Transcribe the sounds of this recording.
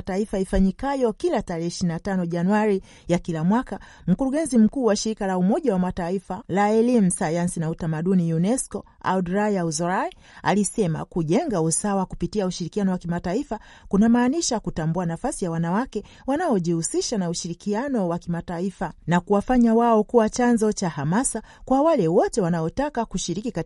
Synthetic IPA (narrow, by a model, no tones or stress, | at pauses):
taifaifaɲikajɔkilataɾɛːʃininatanɔʄanuaɾi | jakilamwaka | m̩kuɾuɠɛnzim̩kuːwaʃiɾikalaumɔʄawamataifalaɛlimusajansinautamaɗunijunɛskɔ | a̰dɾajauzɔɾai | a̰lisɛma̰kuʄɛŋɡausawakupitiauʃiɾikianɔwakimataifa | kunamaːniʃakutambuanafasijawanawakɛ | wanaɔʄihusiʃanauʃiɾikianɔwakimataifanakuwafaɲawaɔkuwat͡ʃanzɔt͡ʃahamasakwawalɛwɔtɛwanaɔtakakuʃiɾikika